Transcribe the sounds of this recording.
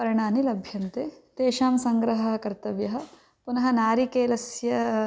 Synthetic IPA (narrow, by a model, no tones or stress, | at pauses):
pɐɾɐɳaːnilɐbʱjɐnt̪eːt̪eːʃaːmsɐŋɡɾɐɦɐɦɐkɐɾt̪ɐʋjɐɦɐ̆ | punɐɦɐ̆naːɾikeːlɐsjɐ